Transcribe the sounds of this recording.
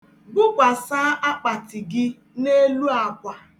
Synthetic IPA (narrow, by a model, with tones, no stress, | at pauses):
bʊ˦kʷa˨saː˦ʔa˦k͡pa˨tɪ˨ɡɪ˦ | ne˦lu˦a˨kʷa˦